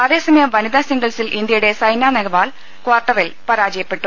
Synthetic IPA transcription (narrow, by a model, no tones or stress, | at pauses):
ɐðe̞ːsɐmɐjɐmʋɐniðaːsiŋɡɐlsilʔind̪jɐjuɽe̞sɐjnaːnɐɡɐʋaːl | kwaːrʈːɐrilpɐɾaːd͡ʑɐjɐpːe̞ʈːu